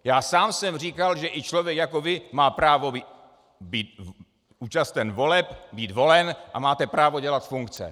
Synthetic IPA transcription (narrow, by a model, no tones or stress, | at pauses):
jaːsaːmsɛmr̝iːkalʒɛʔɪt͡ʃlovjɛkjako̞vɪmaːpɾaːvoi | biːt̪ | uːt͡ʃast̪ɛnvo̞lɛpbiːt̪vo̞lɛnʔa̰maːt̪ɛpɾaːvo̞ɟɛlat̪fuŋkt͡sɛ̰